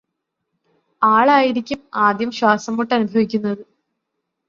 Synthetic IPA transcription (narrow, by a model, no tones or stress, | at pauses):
aːɭaːjiɾikʲːumaːd̪jɐmɕwaːsɐmːuʈːɐnubʱɐʋikʲːunːɐðɨ